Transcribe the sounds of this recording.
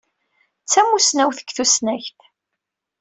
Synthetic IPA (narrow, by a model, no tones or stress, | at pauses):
t͡sːæmusnæwθə̥kːθusnæçθ